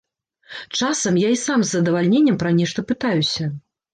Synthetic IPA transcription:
t͡ʂasɐmjaisamzːɐd̪ɐvalʲnʲenʲːɐmpɾɐnʲɛʂt̪ɐpɨt̪ajusʲɐ

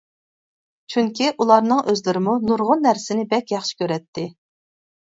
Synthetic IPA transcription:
t͡ʃʰyŋkʲiʔulˠɑɾnɨŋøzlɪɾɪmunuɾʁʊnːæɾsɪnɪbɛkʲjɑχʃi̥kʲʰøɾɛt̪ʰːɪ

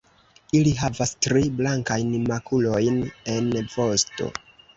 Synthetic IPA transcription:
iliɦavastɾiblaŋkajnimakʰulo̞jne̞nvo̞sto̞̰

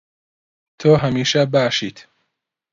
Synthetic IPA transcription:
t̪ʰoːɦɐmiːʃɐbaːʃiːt̪ʰ

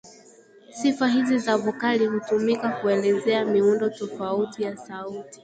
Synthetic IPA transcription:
sifaɦizizavɔkalihutumikakuɛlɛzɛamiundɔtɔfautijasauti̥

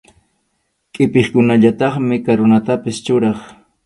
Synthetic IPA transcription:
kʼɪpeχkʊnaʎat̪ɑχmɪkaɾonat̪apɪst͡ʃʊɾɑχ

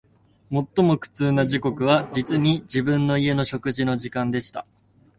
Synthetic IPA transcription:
mo̞t̪ːo̞mo̞kɯ̟̥t͡sɨːnaʑiko̞kɯ̟β̞ad͡ʑit͡sɨɲ̟id͡ʑibɯ̟̃nːo̞ie̞no̞ɕo̞kɯ̟ʑino̞ʑikãnd̪e̞ɕi̥t̪a̰

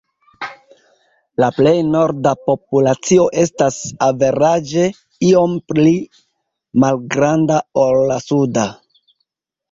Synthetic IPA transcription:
laple̞jno̞ɾdapo̞p̚ulat͡sio̞ʔe̞stasave̞ɾad͡ʒe̞ | io̞mpli | malɡɾandao̞lːasuda

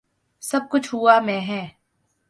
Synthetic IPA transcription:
sɐb̚kʊt͡ʃʰɦuamɛ̃ːɦɛ̃ː

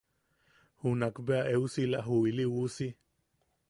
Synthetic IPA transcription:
hunakbeaʔeusilaɦuiliwusi

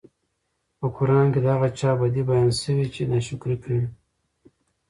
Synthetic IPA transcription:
pəkʊɾɑnked̪əaɣat͡ʃɑbad̪ibajɑnsəwit͡ʃenaʃʊkɾikawi

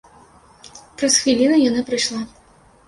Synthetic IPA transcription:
pɾɐsxvʲilʲinɐjanapɾɨʂlˠa

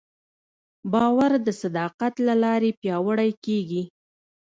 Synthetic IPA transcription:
bɑwaɾd̪əsad̪ɑqat̪lalɑɾepjɑwəɽajkeɡi

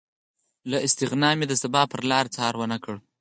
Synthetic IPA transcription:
laʔɪst̪ɪɣnɑmed̪əsabɑpəɾlɑɾt͡sɑɾwənəkəɽ

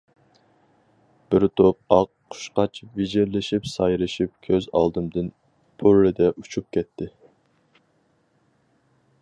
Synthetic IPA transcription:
b̥ɪɾt̪ʰop̚ɑqʰː | ʊ̥ʃqɑt͡ʃʰvid͡ʒɪɾlɪʃipsɑjɾɨʃip̚kʲʰøzɑ̰lˠd̪ɨmd̪ɨn | pʰoɾlɪd̪ɛʔut͡ʃʰup̚kʲɛt̪ʰːɪ

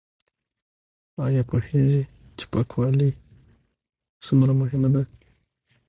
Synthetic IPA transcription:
ajapoheʒi | t͡ʃɪ̥pakʰwali | sumɾamʊɦɪmad̪a

